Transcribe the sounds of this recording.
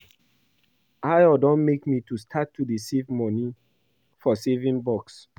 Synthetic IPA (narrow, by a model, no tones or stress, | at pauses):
aɪɔdɔ̃nmekmitustʰatʰːudisivmɔni | fɔsevĩŋbɔks